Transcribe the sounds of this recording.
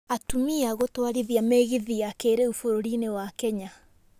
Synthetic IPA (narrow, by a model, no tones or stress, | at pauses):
atumiaɣotwaɾiðiameɣiðiakeːɾeufoɾoɾinewakɛɲa